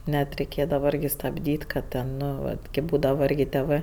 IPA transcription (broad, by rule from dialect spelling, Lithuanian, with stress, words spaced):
ˈnʲɛt rʲɛɪˈkʲeːdɐʋɐ ˈɪrʲɡʲɪ stɐbʲˈdʲiːtʲ kɐ ˈtʲɛn ˈnoː ˈʋɐt kʲeːp ˈbuːdɐʋɐ ˈɪrʲɡʲɪ tʲeːˈʋɜ